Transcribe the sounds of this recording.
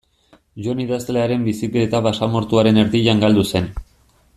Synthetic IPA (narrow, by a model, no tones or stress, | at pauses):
ʝo̞niðast̪eleaɾe̞mbisikle̞ːt̪aβasamo̞ɾt̪uaɾe̞ne̞ɾðiʎaŋɡald̪use̞n